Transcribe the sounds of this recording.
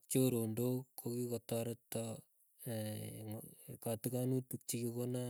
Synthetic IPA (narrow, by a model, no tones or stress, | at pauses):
t͡ʃoɾondokʰːokikɔtaɾetːɔ | ŋkatikanutuk̚t͡ʃikikona